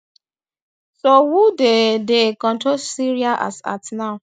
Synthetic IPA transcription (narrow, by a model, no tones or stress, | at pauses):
sowudedekɔ̃ntosiɹiaʔa̰sa̰tna